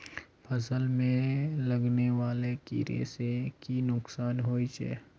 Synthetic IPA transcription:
pʰəsəlmẽlɐɡneʋaːlekḭɾḛːsekinʊksaːnɦoːit͡ʃḛː

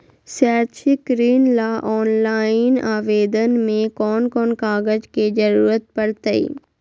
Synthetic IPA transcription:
saːɾt͡ʃʰɪkɾiːnlaːʔɔːnlaːɪnaːʋeːd̪ənmẽkɔːnkɔːnkaːɡəd͡ʒked͡ʒəɾuːɾət̪̚pəɽt̪əḭː

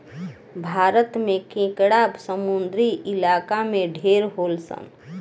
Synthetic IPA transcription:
bʱaɾət̪mekẽkɽabsəmund̪ɾiʔilakameɖʱeɾɦolsə̰n

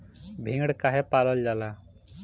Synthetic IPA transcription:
bʱĩŋɽkaɦɛpaləld͡ʒala

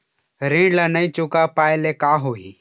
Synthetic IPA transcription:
ɾẽːɖlənəĩt͡ʃʊkapaːelekaːɦoi

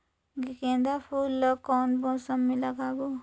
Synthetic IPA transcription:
ɡikẽːnd̪apʰuːlːəkɔːnbɔ̃ːsɐmːilɐɡaːbo

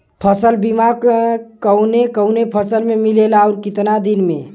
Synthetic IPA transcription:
pʰəsəlbimakkəʊnekəʊnepʰəsəlmemilelaɔʊɾkɪt̪nad̪inmẽ

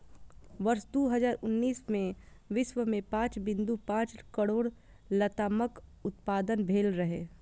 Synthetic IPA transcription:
ʋɐɾsd̪oːɦɐzaːɾʊnːiːsmẽ | ʋɪʃʋəmẽpãːt͡ʃbɪ̃nd̪upãːt͡ʃkəɽoːɽ | lɐt̪aːməkʊt̪̚paːd̪ənbʱeːlɾɐɦḛː

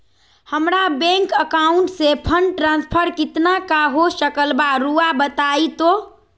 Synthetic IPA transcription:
həmɾabɛ̃ŋkəkaʊɳʈsepʰəɳɖʈɾãnspʰəɾkɪt̪nakaɦosəkəlbaɾuabət̪ait̪o

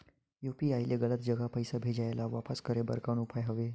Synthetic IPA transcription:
jupiajljeɡələt̪̚d͡ʑəɡapəjsabʱed͡ʑajlaʋapəskəɾebə̰ɾkañupʰajɦəʋe

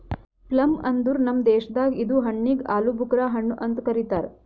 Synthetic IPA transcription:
plɐmɐnd̪uɾnɐmd̪eːʃɐd̪aːɡid̪uːɦɐɳːiɡaːlubʱukɾaːɦɐɳːuʔɐnt̪kɐɾit̪aːɾ

